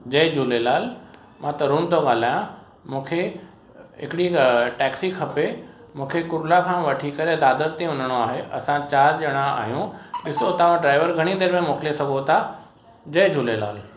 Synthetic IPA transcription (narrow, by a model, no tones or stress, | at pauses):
d͡ʑɐɪd͡ʑʱuːlelaːl | mãt̪ɐɾʊmt̪oɠaːl̤aːjã | mũːkʰe | ɦɪkɪɽiʈɛːksikʰɐpe | mũːkʰekʊɾlakʰãːʋɐʈʰikɐɾed̪aːd̪əɾt̪ẽʊ̃nəɽ̃oaːɦeʔɐ̰sãt͡ɕaːɾʄɐɽ̃aa̰ːɦijũɗɪsot̪ɐʋ̤ãɖɾaːɪʋəɾɡʱɐɽ̃ĩnd̪eːɾmẽmoːkɪlesɐɡʱot̪ʰa | d͡ʑɐɦɪd͡ʑʱuːlela̰ːl